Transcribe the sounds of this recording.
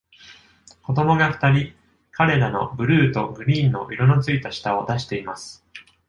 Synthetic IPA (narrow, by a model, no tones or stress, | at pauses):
ko̞d̪o̞mo̞ɡaɸɯ̥t̪aɾʲi | kʰaɾe̞ɾano̞̰bɯ̟ɾɯ̟ːt̪o̞ɡɯ̟ɾʲiːnːo̞̰ʔiɾono̞t͡sɨit̪aɕi̥t̪ao̞d̪aɕi̥t̪e̞imasɨ̥